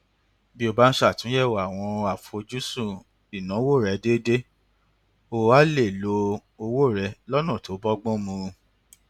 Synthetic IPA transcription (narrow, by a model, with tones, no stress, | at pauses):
bi˦o˧ba˦n̩˦ʃa˦˨tũ˨˦jɛ˦˨wa˨w̃ɔ̃˧a˨fo˧d͡ʒu˦sũ˦˨ | i˨nã˨˦wo˦˨ɾɛ˨˦de˦de˦ | o˦˧˨wa˦le˦˨lo˧˦ | o˧wo˦˨ɾɛ˧lɔ˦nã˦˨to˨˦bɔ˦ɡ͡bɔ̃˦mũ˧